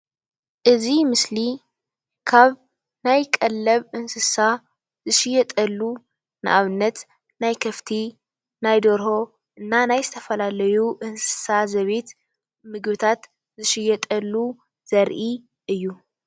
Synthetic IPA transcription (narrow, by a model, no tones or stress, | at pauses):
ʔɨzimɨsli | kʰaβ | najkʼɐlːɐβʔɨnsɨsa | zɨʃɪjɐt̪ʼɐlːu | nɨ̰ʔaβɨnːɐt̪ | najkʰɐft̪ʰi | najd̪oɾho̞ | ʔɨnːanajzɨt̪ʰɐfɐlalɐjuʔɨnsɨ̥sazɐβet̪ | mɨɡβɨt̪ʰat̪ | zɨʃɪjːɛt̪ʼɐlːu | z̥ɐɾʔi | ʔɨjːu